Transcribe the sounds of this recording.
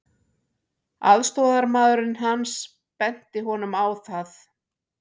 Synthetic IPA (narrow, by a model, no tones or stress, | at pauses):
a̰ðst̪ɔːðaɾmaːðʏɾʏnɦans | pɛn̥t̪ɪɦɔnʏmawθaθ